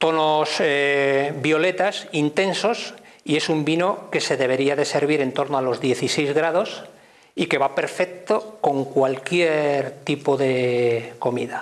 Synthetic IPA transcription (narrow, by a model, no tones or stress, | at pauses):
t̪o̞nosebjo̞le̞t̪asint̪e̞nso̞s | ie̞sumbino̞ke̞se̞ðe̞βe̞ɾiaðe̞se̞ɾβ̞iɾe̞nt̪o̞ɾnoalo̞zðje̞θise̞jzɣɾað̞o̞s | ike̞βape̞ɾfe̞k̚t̪oko̞ŋkwalkjeɾt̪ipoðe̞ko̞mḭða